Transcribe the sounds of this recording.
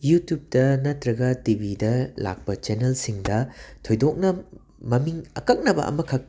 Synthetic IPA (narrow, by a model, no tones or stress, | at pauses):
jutjup̚tɐnɐtɾɐɡɐtibidɐla̰k̚pɐt͡ʃenelsiŋdɐtʰojdok̚nɐ | mɐmiŋɐ̰kɐk̚nɐbɐ̰ʔɐ̰mɐkʰɐk̚